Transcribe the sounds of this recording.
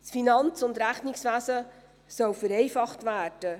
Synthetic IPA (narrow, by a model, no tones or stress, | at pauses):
sfinɑnt͡sʊndɾæχnɪksʋæsə | sœwfəɾɛɪfɑχtvæːɾd̥ə